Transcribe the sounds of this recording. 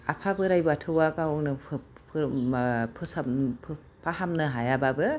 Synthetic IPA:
apʰabɯɾajbɯatʰɯwakawnɯ | pʰ | pʰɯsapʰ | pʰahamnɯɦajababɯ

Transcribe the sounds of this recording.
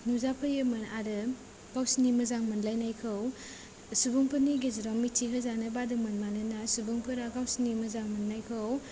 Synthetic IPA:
nuzapʰɯjɯmɯnaɾɯ | ɡ̥awsnimɐzaŋmɯnlajnajkʰɯw | subuŋpʰɯniɡezɾamitʰiɦɯzanɯbadɯŋmɐnmanɯnasubuŋpʰɯɾaɡawsnimɯzaŋmɯnːajkʰɯw

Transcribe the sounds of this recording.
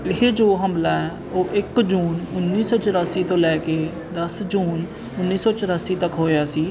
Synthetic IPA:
ɪɦeːd͡ʒoːɦəmlaːɛː | oːʔɪkd͡ʒuːnʊnːiːsɔːt͡ʃəɾaːsiːt̪õːlɛːkeː | d̪əsd͡ʒuːn | ʊnːiːsɔːt͡ʃəɾaːsiːt̪əkɦoːjaːsiː

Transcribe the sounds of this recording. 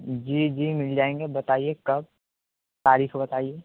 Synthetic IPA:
d͡ʒiːd͡ʒiːmɪld͡ʒaːẽːŋɡebɐt̪aːiekɐb̚ | t̪aːɾiːxbɐt̪aːieː

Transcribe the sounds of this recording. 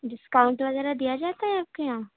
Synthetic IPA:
ɖɪskawʊ̃ɳʈlazɛɾad̪ijad͡ʒaːt̪aɦɛaːp̚kejãː

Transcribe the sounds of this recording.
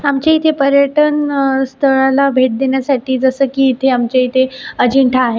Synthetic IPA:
amt͡ɕait̪ʰepəɾjəʈənst̪ʰəɭalabʱeʈ̚d̪eɳjasaʈiːd͡zəsəːkiːt̪ʰeamt͡ɕeit̪ʰeəd͡ʑiɳʈʰaːɦe

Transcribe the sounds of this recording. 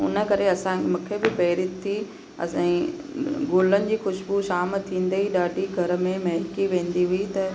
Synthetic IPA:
ʊ̰nə̆kɐɾeɐsãmũkʰebɪpɛːɾit̪ʰːi | ɐ̰sã | ɡoːlənɪ̆d͡ʑiːxʊʃbuʃaːmt̪ʰĩːn̆d̪eiɗaːɖiɡʱɐɾ̆mẽmɐɦɪkiʋẽːn̆d̪iɦuit̪ɐ

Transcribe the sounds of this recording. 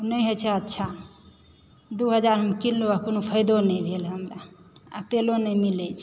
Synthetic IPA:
unəjɦot͡ʃʰɛətːʃʰa | d̪uɦəd͡ʒaɾɦəmkinluakonopʰəɪd̪onəjbʱelɦəmɾaa̰t̪elonəjmilɛt͡ʃʰ

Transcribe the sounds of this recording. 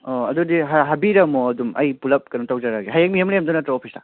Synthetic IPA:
oɐdudiɦaɦabiɾɐmoɐdumɐ̰jpulɐp̚kɐnutawd͡ʒaɾaɡeɦajak̚mijemlemdunɐtɾeopʰisa̰

